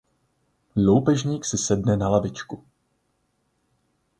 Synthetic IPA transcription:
lowpɛʒɲiːksɪsɛdnɛnalavɪt͡ʃku

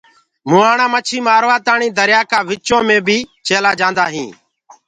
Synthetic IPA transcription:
mũːaːɳãːmət͡ʃʰiːmaːɾʋaːt̪aːɳĩːd̪əɾjaːkaːʋɪt͡ʃõːmẽːbʱiːt͡ʃʰeːlaːd͡ʒãːnd̪aːɦĩː

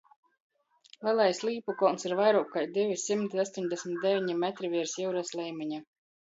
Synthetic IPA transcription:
lˠʲɛlˠajsʲlˠiːpukɔlˠnsiɾvajɾuːkajd̪evʲisimt̪iast̪oɲd̪esʲmʲit̪̚d̪ʲevʲiɲimɛt̪ɾivʲiɛɾsjiwɾaslʲˠɛjmʲiɲa

